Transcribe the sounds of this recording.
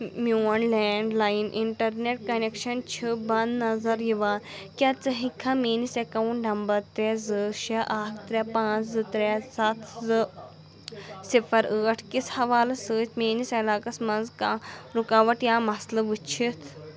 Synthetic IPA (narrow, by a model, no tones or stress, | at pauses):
muɐnlɛːɳɖlaːjinʔḭɳʈɐɾneʈ̚kɐnekʃɐnt͡ʃʰibɐnd̪nːɐzɐɾjiʋaːkʲat͡sɐɦikʰːameːnisekɐwunɖɐmbɐt̪ːɾɛzɨʃɐʔakʰt̪ɾʲɛpãːzɨt̪ɾesɐt̪ʰzɨ | sifʰɐɾəːʈʰkishɐʋaːlɐsəːt͡ʃmeːnisɐlaːkɐsmɐnzkaɾukaːʋɐʈjaːmɐslɐʋut͡ʃʰit̪ʰ